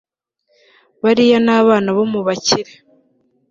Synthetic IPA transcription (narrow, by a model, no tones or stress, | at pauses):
βaɾijanaːβaːnaβomuβaciɾe